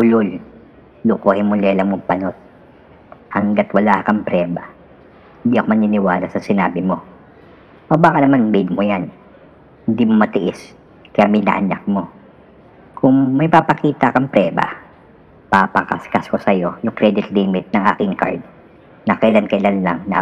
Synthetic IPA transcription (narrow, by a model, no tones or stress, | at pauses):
ʊlʊl | lʊkoːhɪnmʊlɛlɐŋmoŋpɐnot̪̚ | hɐŋɡat̪wɐlaːkɐŋpɾɛːbɐ | hɪnd̪iʔɐkomɐnɪnɪwaːlɐsɐsɪnaːbɪmo̞ | ʔɐbaːkɐnɐmanbɪd̪̚mojan | hɪnd̪iːmomɐt̪ɪʔɪs | kɐjamɪnɐ̰ʔɐ̰na̰k̚mo̞ | kʰʊŋmɐjpapɐkiːt̪ɐkɐŋpɾɛːbɐ̰ | papɐka̰skɐskosɐjo̞jʊŋkɾɛd̪ɪt̪limɪt̪̚nɐŋʔa̰ːkɪŋka̰ɹd̪̚ | nɐkɐʔɪlankɐʔɪlanlɐ̰ŋnɐ̰